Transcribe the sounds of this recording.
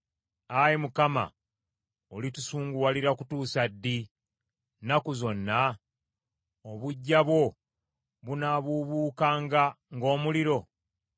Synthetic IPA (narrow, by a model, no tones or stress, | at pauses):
ajimukama̰ | olitusuːŋɡuwaliɾakutuːsadːi | nakuzo̞nːa | oβuɟːaβo̞ | βunaβuβuːkaːŋɡa | ŋɡo̞ːmuliɾo̞